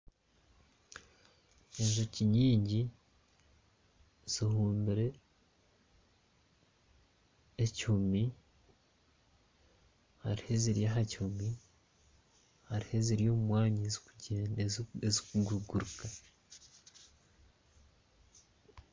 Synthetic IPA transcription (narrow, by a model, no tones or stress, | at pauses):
eʒo̞ciɲiːɲɟi | z̥ihuːmbiɾe̞ | ecihumi | haɾihe̞ziɾijaɦacihumi | haɾihe̞ziɾijo̞ːmumwaːɲiziuɟeːneezikuɡuɡuɾuka